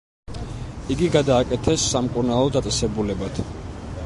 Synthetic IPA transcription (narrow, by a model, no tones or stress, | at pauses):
iɡiɡad̪aːkʼɛt̪ʰɛsːamkʼuɾnalˠɔd̪at̪sʼɛsɛbulɛbat̪ʰ